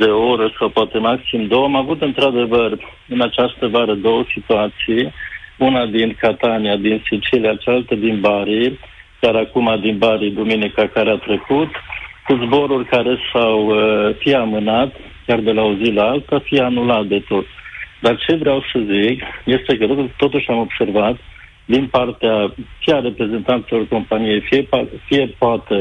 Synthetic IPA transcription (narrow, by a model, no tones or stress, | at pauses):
d̪e̞oɾəsawpoat̪e̞maksimd̪owamavut̪ɨnt̪ɾad̪e̞vər | ɨnat͡ʃast̪əvaɾəd̪o̞wəsit̪uat̪sijunad̪inkat̪aniad̪insit͡ʃiliat͡ʃealt̪əd̪inbaɾi | kʲjaɾakumad̪inbaɾid̪uminikakaɾeat̪ɾe̞kut̪kuzbo̞ɾurʲkaɾe̞sawfieamɨnat̪ | kʲard̪e̞laozilaalt̪afijanulat̪̚d̪e̞t̪o̞t̪d̪art͡ʃe̞vɾeawsəzikje̞st̪e̞kət̪ːo̞t̪uʃʲamo̞bse̞rvat̪ | d̪inpart̪eafiaɾe̞pɾe̞ze̞nt̪ant̪silo̞rko̞mpanije̞jfiepafije̞poat̪e